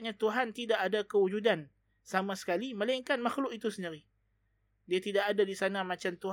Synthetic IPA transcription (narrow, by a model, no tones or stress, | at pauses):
ɲãt̪uɦant̪idaʔadakəud͡ʒudan | samasə̥kaliməlaiŋkanmaxlʊʔit̪usəndiɾi | diat̪idaʔadadisanamat͡ʃamt̪u